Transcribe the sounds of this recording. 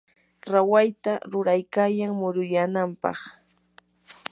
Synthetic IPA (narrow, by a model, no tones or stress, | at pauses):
ɾawajt̪aɾʊɾajkaːjaŋmʊɾʊjanampɑ̰χ